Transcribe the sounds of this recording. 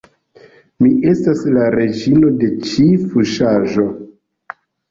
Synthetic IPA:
miʔe̞staslaɾe̞d͡ʒino̞de̞t͡ʃifuʃaʒo̞

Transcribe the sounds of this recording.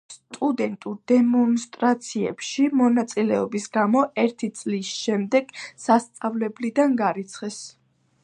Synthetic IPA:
st̪ʼud̪ɛnt̪ʼuɾd̪ɛmɔnst̪ʼɾat̪sʰiɛ̰pʃimɔnat̪sʼilɛɔbisɡamɔɛɾt̪ʰit̪sʼlisʃɛmd̪ɛɡ̥sast̪sʼavlɛblid̪anɡaɾit̪sʰχɛs

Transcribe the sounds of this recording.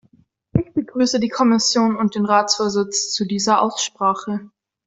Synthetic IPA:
ʔɪçb̥əɡʁyːsədiːkʰɔmɪsjoːnʊnt̚d̥eːnʁaːt͡sfoːɐzɪt͡st͡sudiːzɐʔa̰ʊsʃpʁ̥aːχə

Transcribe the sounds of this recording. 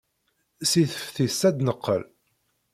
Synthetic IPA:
siθəfθisæd̪nəqːə̰l

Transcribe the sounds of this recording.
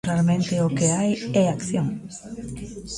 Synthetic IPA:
ɾalmẽnt̪eokeajeakθjõŋ

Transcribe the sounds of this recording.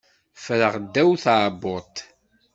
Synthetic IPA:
fɾəʁd̪ːæwθaʕbʊt̪ˤ

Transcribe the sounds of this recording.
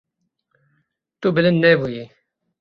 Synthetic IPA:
t̪ubɨlɪnnɛbuji

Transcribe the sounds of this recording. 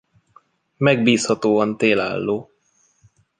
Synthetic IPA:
mɛɡ̚biːshɒt̪oːɒnt̪eːla̰ːlːoː

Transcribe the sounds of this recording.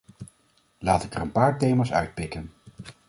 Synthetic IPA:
laːtɪkərənpaːɹtejmaːsœ̰ɥt̚pɪkən

